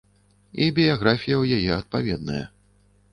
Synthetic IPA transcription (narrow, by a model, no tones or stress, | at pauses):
ibʲijaɣɾafʲijɐwjajɛɐt̪̚pavʲɛd̪̚nɐjɐ̰